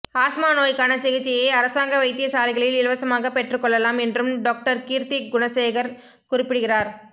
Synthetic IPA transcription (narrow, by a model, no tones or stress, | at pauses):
aːsmaːnoːjkɐnɐsɛɣɪt͡ʃːɪjeɐɾɐsaːŋɡɐʋɐɪt̪ːɪjɐsaːlɪɣɐɭɪlɪlɐʋɐsɐmaːɣɐpɛʈrɯkːɔɭːɐlaːmɛndrɯmɖoːk̚ʈɐɾkiːɾt̪iɡʊɳɐseːɣɐɾ | kʊrɪpːɪɽɯɣɪraːɾ